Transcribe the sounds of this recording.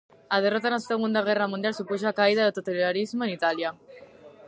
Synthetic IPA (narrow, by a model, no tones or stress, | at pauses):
að̞erɔt̪anaseɣund̪aɣ̞ɛramũnd̪jalsupuʃ̬oakaiðaðot̪ot̪alaɾizmoenit̪alja